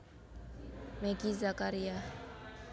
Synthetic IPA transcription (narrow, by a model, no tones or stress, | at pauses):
mɛkizakaɾia